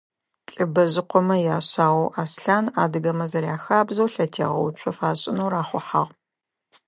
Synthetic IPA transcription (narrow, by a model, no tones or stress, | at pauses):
ɬʼɨbɐzɨqʷʰɔmɐjaːɕaːwɐwaːsɬaːnaːdɨɡɐmɐzɐɾjaːxaːbzɐwɬɐtʰḛːʁɐ̰wt͡ʃʷʰɔfaːɕʼɪnɐwɾaːχʷɔ̰ħaʁ